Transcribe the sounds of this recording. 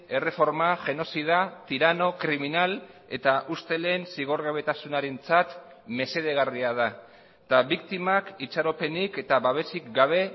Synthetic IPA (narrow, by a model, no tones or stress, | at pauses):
e̞re̞fo̞ɾmaʝe̞no̞sið̞at̪iɾano̞kɾiminal | e̞̰t̪aʔust̪e̞leːnsiɣ̞o̞ɾɣaβe̞t̪asunaɾe̞nt͡sat̪ | me̞se̞ð̞e̞ɣariað̞a | t̪aβik̚t̪imakit͡ʃaɾo̞pe̞nike̞t̪aβaβe̞sikɡaβ̞e̞